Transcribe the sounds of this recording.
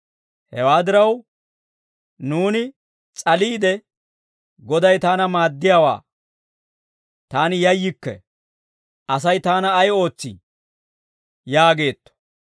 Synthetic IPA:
hɛwaːd̪ɪɾɐw | nuːnɪ | t͡sʼɐliːd̪ɛ | ɡɔd̪ɐjt̪aːnɐmaːd̪ːɪjaːwa̰ː | t̪aːnɪjɐjːɪkːɛ̰ | ʔɐs̬ɐjt̪aːnɐːjo̞ːt͡sːḭ | jaːɡe̞ːt̪ːɔ̥

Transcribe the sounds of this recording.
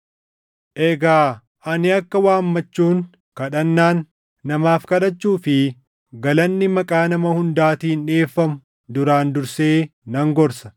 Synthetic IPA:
ʔɛɡaː | ʔɐnɪɐkːɐwaːmːɐt͡ʃːuːŋ | kɐᶑɐnːaːnː | ɐmaːfkɐᶑɐt͡ʃːuːfɪ | ɡɐlɐnːɪmɐkʼaːnɐmɐhʊnd̪aːt̪iːnᶑe̞ːfːɐmʊ | d̪ʊɾaːnd̪ʊɾseːnɐŋɡɔɾsɐ̥

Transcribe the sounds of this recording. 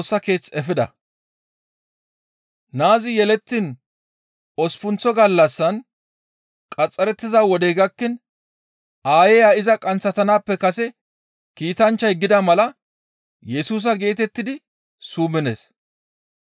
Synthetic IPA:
sːɐke̞ːt͡sɛfɪd̪ɐ̰ | naːzɪjɛlɛt̪ːiːn | ɔspʊnt͡sːɔɡɐlːɐsːɐn | kʼɐt͡sʼːɐɾɛt̪ːɪzawɔd̪ɛjɡɐkːɪn | aːjɛjaːɪzɐkʼɐnt͡sːɐt̪ɐnaːpːɛkɐsɛ | kiːt̪ɐnt͡ʃːɐjɡɪd̪ɐmɐlɐ | jɛsuːs̬ɐɡe̞ːt̪ɛt̪ːɪd̪ɪ | suːmɪne̞̰ːs

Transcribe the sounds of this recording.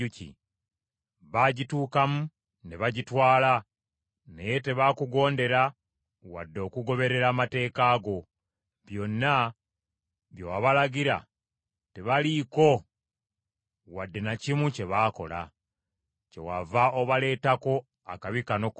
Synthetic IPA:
ucḭ | βaɟituːkamu | ne̞βaɟitwaːla | neje̞te̞βakuɡo̞ːnde̞ɾa | wa̰dːo̞kuɡo̞βe̞ɾe̞ɾaːmate̞ːkaːɡo̞ | βjo̞nːa | βjowaβalaɡiɾa̰ | te̞βaliko̞ | wadːe̞nacimuce̞βaːko̞̰la̰ | ce̞̰wavao̞βale̞ːtako̞ | a̰kaβikano̞

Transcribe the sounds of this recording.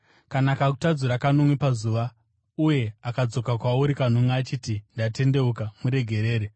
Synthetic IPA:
kanakaku̥tad͡zuɾakanomwipazuʋa | uje̞akad͡zo̞kakwauɾikan̤oŋaːt͡ʃiːtindate̞nde̞ukamuɾe̞ɡʱe̞ɾe̞ːɾe

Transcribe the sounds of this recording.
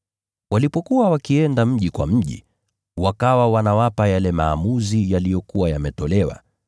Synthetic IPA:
walipɔkuwawakiɛndam̩ʄikwa̰m̩ʄḭ | wakawawanawapajalɛmaːmuzijalijɔkuwajamɛtɔlɛwa̰

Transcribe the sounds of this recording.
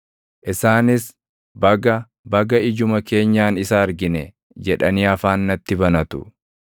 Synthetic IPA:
ʔɪsaːnɪs | bɐɡɐ | bɐɡɐɪd͡ʒʊmɐke̞ːɲːaːnɪsaːɾɡɪnɛ | d͡ʒɛᶑɐniɐfaːnːɐt̪ːɪbɐnɐt̪ʊ̰

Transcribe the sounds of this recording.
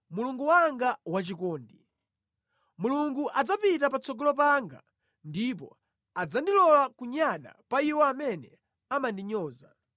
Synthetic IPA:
muluŋɡuwaŋɡawat͡ʃikɔːndi | muluŋɡuʔad͡zapitapat͡sɔɡɔlɔpaŋɡa̰ | ndip̬ɔ̰ | ad͡zandilɔlakuɲaɗa̰paiwɔamɛnɛ | amandiɲɔːza

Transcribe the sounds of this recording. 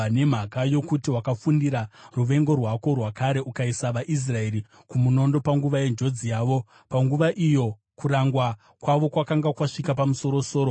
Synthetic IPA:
ne̞m̤akajokutiwakafundiɾaruʋe̞ŋɡo̞rwako̞rwakaɾe̞ʔukaisaʋaʔis̬rae̞ɾi | kumuno̞ndo̞paŋɡuʋaje̞nd͡ʒo̞d͡zijaːʋo̞ | paŋɡuʋaʔijo̞ | kuɾaŋɡwa | kwaʋo̞kwakaŋɡakwaʂikapamuso̞ɾo̞so̞ːɾo

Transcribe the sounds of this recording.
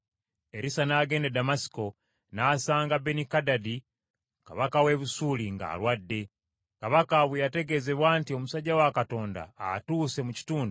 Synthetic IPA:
e̞ɾisanaːɡe̞nedamasi̥ko̞ | naːsaːŋɡabenikadadi | ka̰βakawe̞βusuːliŋɡa̰ːlwadːe̞ | kaβakaβwejate̞ɡe̞ze̞βwaːntio̞musaɟawakato̞ːnda̰ːtuːse̞muci̥tuːndo

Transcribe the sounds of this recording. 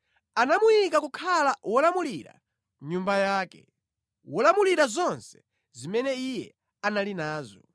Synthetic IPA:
anamujikakukʰalawɔlamuliɾa̰ | ɲumbajaːkɛ̰ | wɔlamuliɾazɔnsɛ̥ | zimɛnɛijɛ | analinaːzɔ

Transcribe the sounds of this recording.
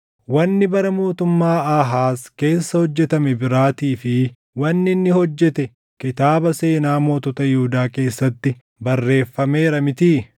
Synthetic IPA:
wɐnːɪbɐɾɐmo̞ːt̪ʊmːaːaːɦaːske̞ːsːɐhɔd͡ʒːɛt̪ɐmɛbɪɾaːt̪iːfɪ | wɐnːɪnːɪhɔd͡ʒːɛt̪ɛ | kɪt̪aːbɐse̞ːnaːmoːt̪ɔt̪ɐjɪhʊd̪aːke̞ːsːɐt̪ːɪ | bɐrːe̞ːfːɐme̞ːɾɐmɪt̪iː

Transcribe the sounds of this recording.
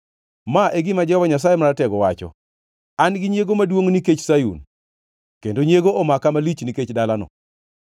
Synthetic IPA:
maʔeɡɪmad͡ʒɔbaɲas̬ajemaɾatɛɡɔwat͡ʃɔ̰ | anɡɪɲjeɡomadwoŋniket͡ʃsajṵn | kendoɲjeɡoʔɔmakamalit͡ʃniket͡ʃdalanɔ̰

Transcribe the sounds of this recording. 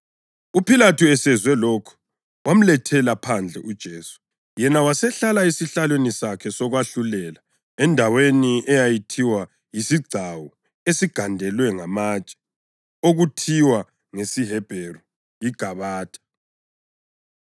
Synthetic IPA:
upʰilatʰuɛsɛzwɛlokʰɔ̥ | wam̩lɛtʰɛlapʰand͡ɮʱɛ̰ʔud̥ʒ̥ʱeːsu̥ | jɛnawasɛɬalaisiɬalwenisakʰɛsɔɣwaɬulɛla | ɛndʱaweniɛjajitʰiwa | jisiɡ͡ǀʱawɔ | esiɡ̥ʱandʱɛlwɛŋamat͡ʃʼɛ̥ | oɣutʰiwa | ŋesiɦɛb̥ʱeru | jiɡ̥ʱaβaːd̥ʱʼḁ

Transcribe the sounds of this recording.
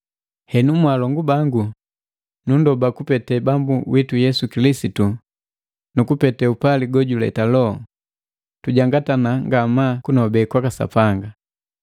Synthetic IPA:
hɛnumwalɔŋɡubaŋɡu | nundɔbakupɛtɛbambuwʔitujɛsukilisitu | nukupɛtɛupaliɡɔɟulɛ̰talɔ | tuɟaŋɡatanaŋɡamakunɔbɛkwakasa̰paŋɡa

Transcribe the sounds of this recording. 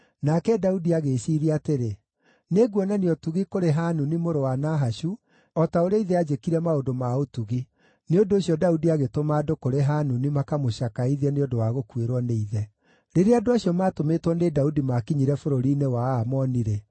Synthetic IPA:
nakɛdaudiaɣeɕiɾiateɾe | neɣwɔnaniɔtuɣikoɾeɦanunimoɾowanaɦaɕu | ɔtaoɾeaiðɛad͡ʑekiɾɛmaondomaotuɣi | neondoːɕijɔdaudiaɣetomaːdokoɾeɦanunimakamoʃakaiðiɛneodowaɣokweɾwɔneiðɛ | ɾeɾeadoaɕiɔmaːtometwɔnedaudimakiɲiɾɛfoɾoɾinewamɔniɾɛ

